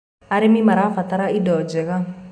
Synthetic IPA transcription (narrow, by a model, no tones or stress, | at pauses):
aɾemĩmaɾafat̪aɾaidɔd͡ʒɛkã